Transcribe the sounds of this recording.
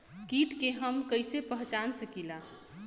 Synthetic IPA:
kiʈkeɦəmkəɪsepəɦt͡ʃansəkila

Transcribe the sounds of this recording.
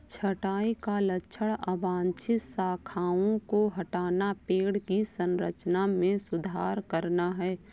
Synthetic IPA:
t͡ʃʰəʈaːikalətːʃʰəɽəbãːnt͡ʃʰɪt̪saːkʰaːõkoɦɐʈaːnapeːɽkisə̃nɾət͡ʃnamẽsʊd̪ʱaːɾkəɾnaɦɛː

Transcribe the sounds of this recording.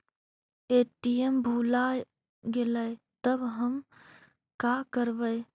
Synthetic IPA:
eʈiembʱulaj | ɡeləɪ | t̪əbɦəm | kakəɾbəɪ

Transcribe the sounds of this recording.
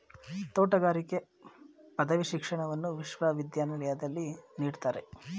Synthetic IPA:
t̪oːʈɐɡaːɾike̞ | pɐd̪ɐʋiʃikʂɐɳɐʋɐnːuʋiʃʋaʋid̪jaːnɐlɛjad̪ɐlːiniːɽt̪aːɾe

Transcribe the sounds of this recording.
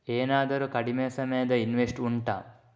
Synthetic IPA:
eːnaːd̪ɐɾukɐɖimeːsɐmɐjɐd̪ɐinʋesʈuɳʈa̰ː

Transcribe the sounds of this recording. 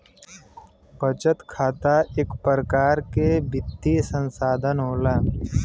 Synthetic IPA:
bʱət͡ʃət̪kʰaːt̪aʔeːkpɾəkaːɾkebʱɪd̪isə̃nsaːd̪ʱənɦoːlaː

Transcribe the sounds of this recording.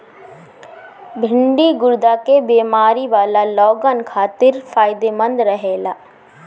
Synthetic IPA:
bʱɪ̃ɳɖiɡʊɾd̪aːkebeːmaːɾiʋaːlalɔːɡənkʰaːt̪ɪɾfʰaːɪd̪emə̃nd̪ɾəɦeːlaː

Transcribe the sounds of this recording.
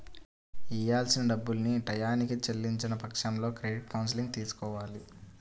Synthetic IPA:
ijaːlsinɐɖɐbːulniʈɐjaːnikit͡ʃelːiɲt͡ʃinɐpɐkʂɐmlo̞ːkɾeɖiʈ̚kɐwns̬iliŋɡ̚t̪iːsu̥kɔːʋaːli

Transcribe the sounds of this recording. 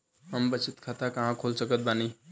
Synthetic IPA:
ɦəmbət͡ʃʰit̪kʰat̪akəɦãkʰolsəkət̪̚bani

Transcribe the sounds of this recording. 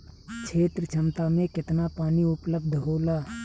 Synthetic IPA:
t͡ʃʰeːt̪ɾət͡ʃʰə̃mt̪amẽkɪt̪napaːniʊpləb̚d̪ʱɦoːlaː

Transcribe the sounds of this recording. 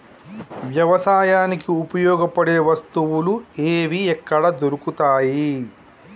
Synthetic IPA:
ʋjɐʋɐsaːjaːnikiupɐjɔːɡɐpɐɽe̞ːʋɐst̪uwulueːʋiɛkːɐɽɐd̪oɾukut̪aːji

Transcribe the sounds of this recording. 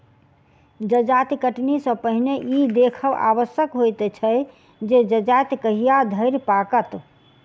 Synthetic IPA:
d͡ʒəd͡ʒat̪kəʈnisə̃pəɦineʔid̪ekʰəba̰ʋəsjəkɦojt̪t͡ʃʰə | d͡ʒed͡ʒəd͡ʒat̪kəɦijad̪ʱəɪɾpakət̪

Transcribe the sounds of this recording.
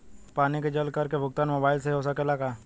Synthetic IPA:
paːniked͡ʒɐlkɐɾkebʱʊɡ̚t̪aːnmoːbaːɪls̬eoːs̬akelaːkaː

